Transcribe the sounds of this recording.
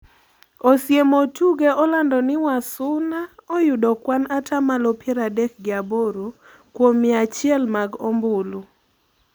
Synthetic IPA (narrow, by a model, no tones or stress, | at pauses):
osjemotuɡeʔɔlandɔnɪwasʊnaɔjʊdɔkwanatʰamalɔpjɛɾadɛk̚ɡɪaboɾo | kwomɪat͡ʃɪɛlmaɡombʊlu